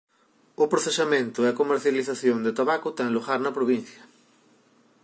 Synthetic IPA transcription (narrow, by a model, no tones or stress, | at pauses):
ʊpɾoθeʃamẽnt̪ʊiakomeɾθjaliθaθjõnd̪et̪aβakʊt̪ɛ̃ŋloɣaɾnɐpɾoβin̟θjɐ